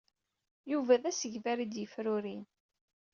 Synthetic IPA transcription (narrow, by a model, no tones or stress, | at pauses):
juvæðæsəʝvæɾid̪jəfɾʊɾin